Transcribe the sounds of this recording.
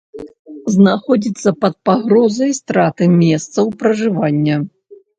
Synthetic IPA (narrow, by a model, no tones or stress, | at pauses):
znaxɔd͡zʲit̪sːɐpɐt̪̚paɣɾɔzɐjst̪ɾat̪ɨmʲɛst̪sɐwpɾɐʐɨvanʲːɐ